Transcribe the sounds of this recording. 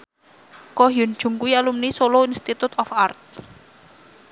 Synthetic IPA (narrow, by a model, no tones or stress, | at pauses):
kɔɦjṳn̥ʒ̥ṳŋkujalumnisoloinst̪it̪ut̪ɔfart̪̚